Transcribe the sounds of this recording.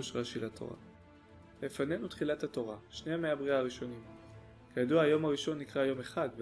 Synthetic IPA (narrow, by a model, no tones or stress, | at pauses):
uʃʁaʃilatʰo̰ʁa̰ | lefane̞nutχilathato̞ʁaʃneameabʁiaːʁiʃo̞nim | kajaduaajo̞mhaʁiʃo̞nːikʁajo̞me̞χadv